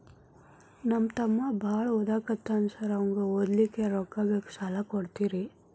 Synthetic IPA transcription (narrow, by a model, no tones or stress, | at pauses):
nɐmːt̪ɐmːɐbʱaːɭɐɔd̪aːkɐt̪ːanusɐɾɐʋɐŋɡeɔd̪likːeɾɔkːaːɡɐke̥sɐlakoɽt̪iːɾi